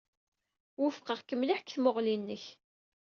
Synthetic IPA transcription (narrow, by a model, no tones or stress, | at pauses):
wʊfqəʁkəmliħkθmoʁlinːəç